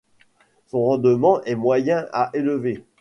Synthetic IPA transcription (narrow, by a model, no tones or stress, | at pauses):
sɔ̃ʁɑ̃d̪əmɑ̃ʔɛmwajɛ̃aʔeləve